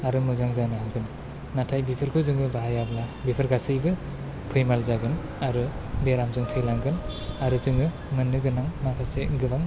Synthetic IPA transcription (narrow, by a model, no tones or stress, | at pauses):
aɾɯmɯzaŋzanɯɦaŋɡɯnː | atʰajbipʰɯɾkʰɯzɯŋɯbaɦajablabipʰɯɾɡasɯjbɯ | pʰɯjmalzaɡɯn | aɾɯbeɾamzɯŋtʰɯjlaŋɡɯn | aɾɯzɯŋɯ | mɯnːɯɡɯnaŋmakʰaseɡɯbaŋ